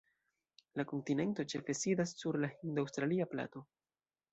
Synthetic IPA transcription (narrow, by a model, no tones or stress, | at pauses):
lako̞ntine̞nto̞t͡ʃe̞fe̞sidasːuɾlahindawstɾaliapla̰to̞